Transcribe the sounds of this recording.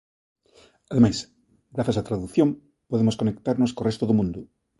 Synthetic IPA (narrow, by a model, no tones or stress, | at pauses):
aðemas | ɡɾaθasat̪ɾaðuθjom | poðemoskonekt̪aɾnoskorest̪oðomũnd̪u